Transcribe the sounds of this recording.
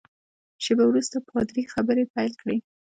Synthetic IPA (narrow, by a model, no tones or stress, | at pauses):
ʃebawɾust̪apɾɑd̪ɾixabəɾepajlkɽe